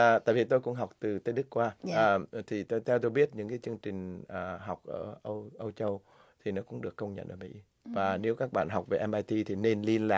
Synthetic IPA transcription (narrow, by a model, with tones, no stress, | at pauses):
t̪a̰ː˧˨jvi˨˩t̪o˧jkʊ̰˧˥ŋ͡mɦa˨˩wk͡p̚t̪ɨ˨˩t̪ə˨˧˦ɗkkːwaː˧˨˩t̪ʰi˨˩t̪o˧jt̪ʰɛ˧wt̪o˧jɓi˦˥ət̚ɲɨ̰˧˥ŋkaː˨˦jt͡ɕɨ˧əŋt͡ɕï˨˩ŋ̟ʔəː˨˩ɦa˨˩wk͡p̚ʔəː˧˩ʔə˧wʔə˧wt͡ɕə˧w | t̪ʰi˨˩nɔ˨˦kʊ̰˧˥ŋ͡mɗɨ˨˩əkːə˧wŋ͡mɲə̰˧˨nʔəː˧˩mḭ˧˥ | vaː˨˩ne˨˦wkaː˦˥k̚ɓa̰ː˧˨nɦa˨˩k͡p̚ve˨˩ʔɛ˧mʔaː˧jt̪i˧t̪ʰi˨˩ne˧nli˧ənla̰ː˨˩